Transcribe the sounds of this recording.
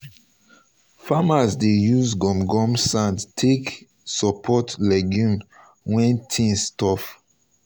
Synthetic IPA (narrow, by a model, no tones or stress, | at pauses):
famasdejuzɡɔ̃mɡɔ̃msãndtʰek | sɔpʰɔtlɛɡjũn | wɛ̃ntʰĩŋstɔf